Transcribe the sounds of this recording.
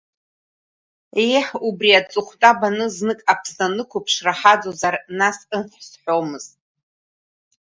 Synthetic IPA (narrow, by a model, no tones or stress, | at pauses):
ejħubriat͡sʼɨχʷtʼabanɨznɨkʼapʰsanɨkʷʰupʰʂraħad͡zozarnasɨnħʷsħʷomɨz̥tʼ